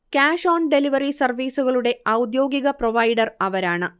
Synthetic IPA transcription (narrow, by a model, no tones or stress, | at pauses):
kaːʂoːnɖe̞liʋɐrisɐrʋiːsuɣɐɭuɽe̞ɐwd̪jo̞ːɡiɣɐproʋɐjɖɐrɐʋɐɾaːɳɨ